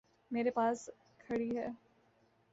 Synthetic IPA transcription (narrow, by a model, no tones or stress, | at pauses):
meːɾepaːs | kʰɐɽiɦɛː